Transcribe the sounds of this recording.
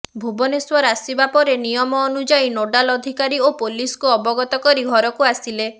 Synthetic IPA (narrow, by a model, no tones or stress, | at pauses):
bʱubɔneswɔɾasibapɔɾenijɔmɔːnud͡ʒajnoɖalɔd̪ʱikaɾiopoliskuɔbɔɡɔt̪ɔkɔɾiɡʱɔɾɔkuasile